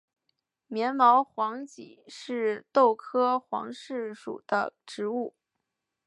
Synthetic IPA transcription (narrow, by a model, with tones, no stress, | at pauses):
mjɛ˧˥nmɑ˧˥ʊxwɑ˧˥ŋt͡ɕḭ˨˩ʂɻ̩˥˧t̪o˥˩ʊkʰɤ˥xwɑ̰˧˥ŋʂɻ̩˥˩ʂṵ˨˩d̪̥ə̰˦ʈ͡ʂɻ̩˧˥u˥˩